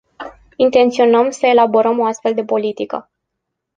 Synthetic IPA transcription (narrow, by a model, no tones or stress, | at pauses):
int̪e̞nt̪sio̞nəmsəe̞labo̞ɾəmo̞ast̪fe̞ld̪e̞po̞lit̪ikə̰